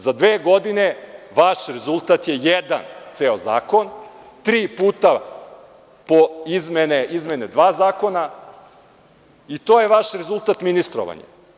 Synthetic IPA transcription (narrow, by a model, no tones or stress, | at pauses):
zad̪ʋeːɡod̪ineʋaʃɾezulˠt̪at̪jejɛd̪a̰nt̪seːoza̰ːko̞n | t̪ɾiːpuːt̪a | poizmeneizmened̪ʋaːzaːko̞na | it̪oːjeʋaʃɾezulˠt̪at̪minist̪ɾo̰ʋa̰ɲa̰